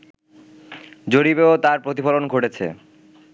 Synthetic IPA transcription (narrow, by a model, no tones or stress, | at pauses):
d͡ʑoɾibeot̪aɾpɾot̪̬ifolonɡʱoʈet͡ɕʰḛ